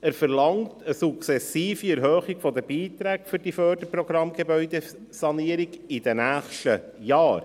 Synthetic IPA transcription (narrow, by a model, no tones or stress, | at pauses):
æːɾfəɾlɑŋtʰəsukt͡sɛsiːfiɛɾɦœːχiɡfɔd̪əbiːt̪ɾæːkfʏɾd̥ifœːɾd̥əprɔɡ̥ɾɑmɡ̥ebœʏd̪e | sɑniəɾiɡid̥̪ɛnæːχʃtə | jɑːɾ